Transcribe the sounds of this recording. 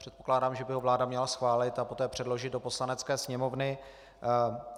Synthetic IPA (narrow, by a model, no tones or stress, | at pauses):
r̝ɛt̪̚po̞klaːdaːmʒɛbɪɦo̞vlaːdamɲɛlasxvaːlɪt̪apo̞t̪ɛːpr̥ɛdlo̞ʒɪd̪̚do̞po̞slanɛt͡skɛːsɲɛmo̞vnɪ